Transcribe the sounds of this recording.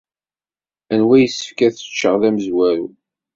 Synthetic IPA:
ænwæjəsːə̥fkæθə̥t͡ʃːəʁðæməzwæɾṵ

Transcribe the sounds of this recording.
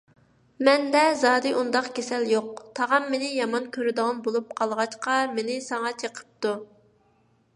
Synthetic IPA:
mɛnd̪ɛzɑːd̪ɨʔund̪ɑqɡʲesɛljoq̚t̪ʰɑʁɑmːenɪjɑmɑnkʲʰøɾɪd̪ɨʁɑnbolˠup̚qʰɑlˠʁɑt͡ʃqɑmenɪsɑŋɑt͡ʃʰeqʰə̥p̚t̪u

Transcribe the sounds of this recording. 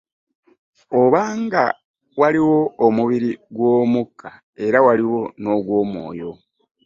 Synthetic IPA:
oβaːŋɡa | waliwo̞ːmuβiɾiɡwoːmukːa | e̞ɾawaliwo̞no̞ɡwo̞ːmwo̞̰ːjo̞

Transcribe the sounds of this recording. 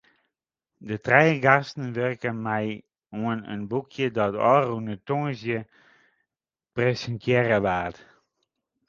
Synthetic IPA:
dətrɛjəɡastn̩ʋørkənmɛj | uənə̰nbukʰjədɔtɔ̰ːrunətoŋəsjə | prɛsəntʰjɛrəʋaːt

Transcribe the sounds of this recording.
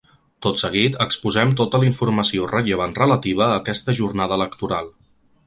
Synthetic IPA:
t̪ot̪səɣ̞it̪əkspuzɛmt̪ot̪əliɱfuɾməsiorəʎəβ̞anrələt̪iβ̞əːkɛst̪əʒurnaðəːləkt̪uɾalˠ

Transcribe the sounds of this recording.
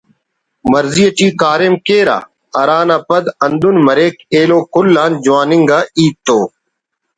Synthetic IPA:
məɾzijəʈiːkaːɾemkeːɾa̰ː | ɐɾaːnaːpəd̪ɐnd̪ʊnməɾeːkeːloːkʊlːaːnd͡ʒʊaːnɪŋɡaːiːt̪ːoː

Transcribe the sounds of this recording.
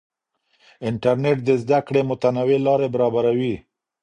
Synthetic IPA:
ɪɳʈaɾneʈ̚d̪əzd̪akɽemʊt̪anawelɑɾebaɾɑbaɾawi

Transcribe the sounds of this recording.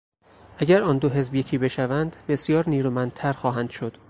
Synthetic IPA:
ʔæɟʲæɾɒːnd̪oɦe̞zbjecʰiːbe̞ʃævænd̪be̞sjɒːɾniːɾuːmænd̪̚t̪ʰæɾxɒːɦænd̪ʃod̪̥

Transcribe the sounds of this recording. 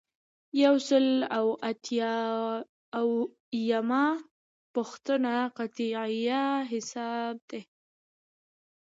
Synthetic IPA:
jawsəlawat̪ʰjɑː | w | jamɑ | pʊxt̪ənaqat̪iʕijaɦɪsɑb̚d̪e

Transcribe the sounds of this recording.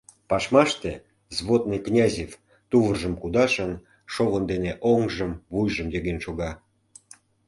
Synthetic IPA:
pɑʃmɑʃt̪e | zβot̪̚nijknʲɑzʲef | t̪uvərʒəmkud̪ɑʃən | ʃoβənd̪eneʔoŋʒəmvujʒəmjeɣenʃoɣɑ

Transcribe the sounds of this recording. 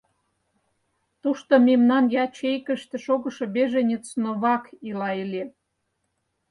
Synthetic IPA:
t̪uʃt̪omemnɑnjɑt͡ɕejkə̆ʃt̪ĕʃoɣə̆ʃŏbeʒenʲet͡snoβɑkilɑelʲe

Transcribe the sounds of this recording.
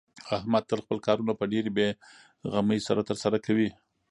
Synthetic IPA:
ahmad̪̚t̪ːəlxpəlkɑɾunapəɖeɾibe | ɣaməjsaɾat̪əɾsaɾakawi

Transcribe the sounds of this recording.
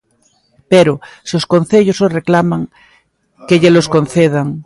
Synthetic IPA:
peɾososkon̟θeʎosoreklamaŋ | keʎeloskon̟θeð̞aŋ

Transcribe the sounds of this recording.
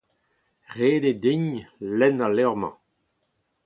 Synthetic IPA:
ʁeːded̪iɲlɛnalɛʁmɑ̰̃

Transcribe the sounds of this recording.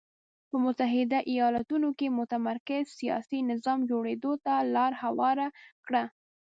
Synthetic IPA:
pəmʊt̪aɦɪd̪aʔijɑlat̪unokemʊt̪amaɾkɪzsijɑ̰sinɪzɑmd͡ʒoɽed̪ot̪alɑɾhawɑɾakɽa

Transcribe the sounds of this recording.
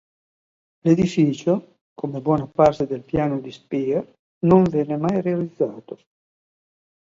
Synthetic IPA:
led̪ifiːt͡ʃo | kʰomebwɔːnapart̪ed̪elpjaːnod̪ispiː | noɱvjɛnemajrealid̪zːaːt̪o

